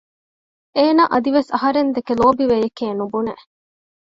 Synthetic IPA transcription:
eːnaːʔɐd̪iʋesɐɦɐɾend̪ekeloːbiʋejekeːnubunḛʔ

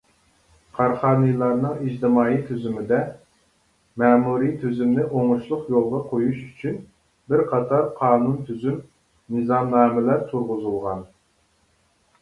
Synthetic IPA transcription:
qʰɑɾχɑːnɨjlˠɑɾnɨŋid͡ʒd̪ɨmɑːit̪ʰyzymɪd̪ɛ | mɛːmuɾijt̪ʰyzymnɪʔoŋʊʃlˠʊqjolˠʁɑqʰojuʃyt͡ʃʰyn | bɪɾqʰɑt̪ʰɑɾqʰɑːnunt̪ʰyzym | nɨzɑmnɑːmɪlæɾt̪ʰuɾʁʊzulˠʁɑn

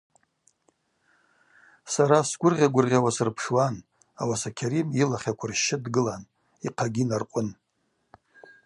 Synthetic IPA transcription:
saɾasɡʷʊrʁʲaɡʷʊrʁʲawasɨrpʰʂwan | a̰wasakʲʰaɾimilaχʲakʷʰarʃːɪdɡɨlan | iqʰaɡʲinarqʷʼʊn

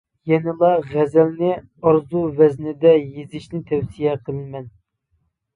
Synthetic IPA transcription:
jɛnɪlˠɑʁɛzɛlnɪ | ɑɾzuvɛznɪd̪ɛjezɪʃnɪt̪ʰɛwsijɛqʰəlˠɨnmɛn

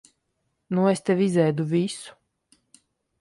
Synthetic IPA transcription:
nuest̪ɛvʲizɛjd̪uvʲisu̥

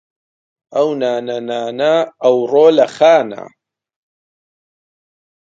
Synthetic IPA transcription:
ɐwnaːnɐnaːnɐɐwroːlɐxaːna̰

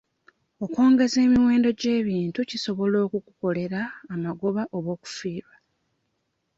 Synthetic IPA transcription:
o̞ko̞ːŋɡe̞ze̞ːmiwe̞ːndo̞ɟe̞ːβiːntuciso̞βo̞lo̞ːkuku̥ko̞le̞ɾaːmaɡo̞βaʔoβo̞ːku̥fiːβa

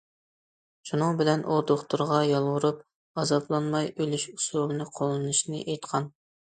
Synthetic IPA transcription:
ʃunɨŋbɪlɛnʔoɾd̪oχt̪ʰuɾʁɑjɑlˠʁʊɾup̚ | ɑzɑplˠɑnmɑjølyʃu̥sulˠɨnɨqʰolˠɨnɨʃnɨ̰ʔejt̪qʰɑn

